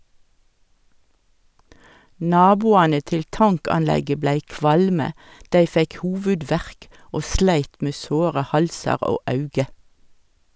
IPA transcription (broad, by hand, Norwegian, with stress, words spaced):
ˈnɑːbuːɑnə ˈtɪl ˈtɑŋkɑnˌlɛɡə ˈblæɪ ˈkʋɑlmə ˈdæɪ ˈfɛk ˈhuːʋʉˌdʋæʁk ˈoː ˈslæɪt ˈmeː ˈsoːʁə ˈhɑlsɑʁ ˈoː ˈɑʉɡə